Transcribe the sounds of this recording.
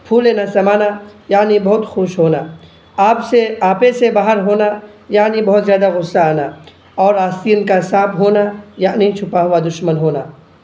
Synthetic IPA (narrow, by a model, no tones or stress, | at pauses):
pʰuːleːnasɐmaːnajaːnibɐɦʊt̪xoːʃɦoːna | aːpseaːpẽsebaːɦəɾɦoːnajaːnibɐɦt̪zjaːd̪aɣʊsːaaːna | ɔːɾaːst̪iːʊnkaɦɪsaːbɦoːnajaːnəɦĩt͡ʃʰʊpaɦʊʋad̪ʊʃmənɦoːna̰ː